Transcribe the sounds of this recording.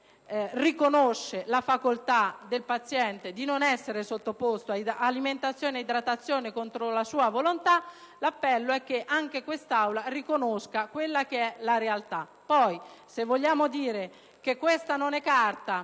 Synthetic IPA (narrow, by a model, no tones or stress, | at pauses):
rikonoʃːelafakolt̪ad̪elpat̪sːjɛnt̪ed̪inonɛsːeɾesot̪ːopost̪oaaliment̪at̪sːjoːneid̪ɾat̪ːat̪sːjoːnekont̪ɾolasuːavolont̪a | lapːɛlːoɛk̟ːeʔaŋk̟ekwest̪awlarikonoskakwelːak̟eɛlaɾealt̪a | pːɔjsevːoʎːaːmod̪iːɾe | k̟ekːwest̪anonɛkːart̪a